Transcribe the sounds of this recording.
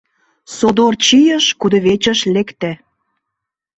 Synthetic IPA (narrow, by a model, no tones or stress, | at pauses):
sod̪ort͡ɕijəʃkud̪ŏβet͡ɕə̆ʃlekt̪æ